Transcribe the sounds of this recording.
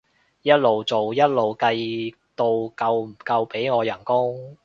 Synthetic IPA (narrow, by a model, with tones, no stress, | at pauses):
jɐ˥t̚lo˨wt͡so˨wjɐ˥t̚lo˨wkɐ˧j | t̪o˧wkɐ˧wm̩˨˩kɐ˧wpe˨˥jŋɔː˨˧jɐ˨˩nkʊ˥ŋ